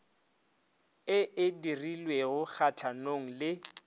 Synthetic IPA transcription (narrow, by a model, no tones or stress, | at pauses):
ɪʔɪdirilweɣʊk͡xat͡ɬʰanoŋ̩lɪ